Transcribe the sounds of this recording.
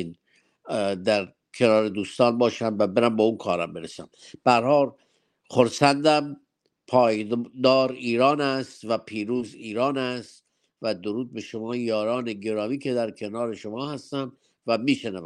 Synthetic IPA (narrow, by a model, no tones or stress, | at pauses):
n | d̪æɾ | kʰenɒːɾed̪uːst̪ɒːnbɒːʃæmvæbeɾæmbeunkʰɒːɾæmbeɾesæ̰mb̥ææɾhɒːl | xoɾsænd̪æm | pʰɒːjd̪ɒːɾiːɾɒːnæst̪væpʰiːɾuːziːɾɒːnæst̪ | væd̪oɾuːd̪̚beʃomɒːjɒːɾɒːneɡe̞ɾɒːmiːkʰe̞d̪æɾkʰe̞nɒːɾe̞ʃomɒːhæst̪æm | væmiːʃenævæ